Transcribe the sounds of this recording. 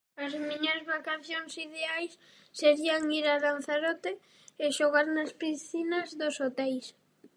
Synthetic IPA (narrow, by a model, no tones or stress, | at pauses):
azmiɲoɾzβakaθjoŋsiðeajsː | eɾiaŋiɾaðanθaɾɔt̪e | ɪʃoɣaɾnaspiθinɐzðosot̪ɛls